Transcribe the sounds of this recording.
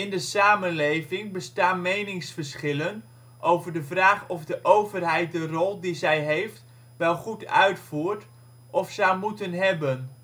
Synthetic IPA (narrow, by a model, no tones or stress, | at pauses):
ɪndəsaːmənlejvɪŋbəstaːnmejnɪŋsfəɹsχɪlən | ʔowvəɹdəvraːχɔvdəʔowvərɦɛjt̚dərɔlˠdizɛjɦejft | ʋɛlˠχutœ̰ɥtfuːɹt | ʔɔfsɛjmutənɦɛbən